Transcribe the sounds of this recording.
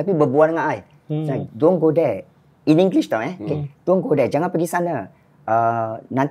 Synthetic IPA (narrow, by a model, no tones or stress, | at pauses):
apibəbuanŋaʔaj | sadɔŋɡodɛ | inĩŋɡliʃt̪ɔʔɛoked̪uɔŋɡodɛd͡ʒaŋanpəɡisanə | ənãnt̪